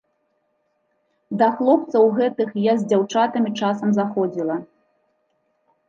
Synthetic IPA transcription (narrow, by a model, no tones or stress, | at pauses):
d̪ɐxlˠɔp̚t̪sɐwɣɛt̪ɨxjazʲd͡zʲawt͡ʂat̪ɐmʲit͡ʂasɐmzaxɔd͡zʲilˠɐ